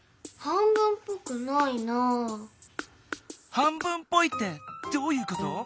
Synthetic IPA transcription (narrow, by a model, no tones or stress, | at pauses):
hãmbɯ̟̃mpokɯ̟naino | hãmbɯ̟̃mpːo̞it̪ːed̪̥oːjɯ̟ːko̞t̪o